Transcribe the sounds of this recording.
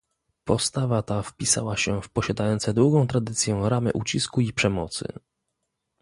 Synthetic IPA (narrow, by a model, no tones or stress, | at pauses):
pɔst̪avat̪afpʲisa̰waɕɛfpɔɕad̪ajɔnt̪sɛd̪wuɡɔ̃w̃t̪ɾad̪ɘt̪sʲjɛ̃ɾamɘ̰ʔut͡ɕiskuipʂɛmɔt̪sɘ̰